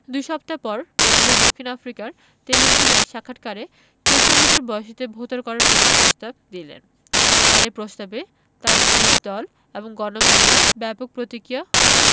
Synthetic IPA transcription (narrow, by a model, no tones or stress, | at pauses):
d̪ujʃɔpt̪apɔɾbeilad̪okʰːinafɾikaɾ | t̪elibidilaʃakʰːaʈkaɾe | kot̪onitoɾbɔeʃit̪ebʱot̪aɾkɔɾaɾbiepɾost̪ab̚d̪ilḛn | aɾepɾost̪abe | t̪aɾmilikd̪ɔl | eboŋɡɔnobanebɛpok̚pɾot̪ikɾijaɦɔle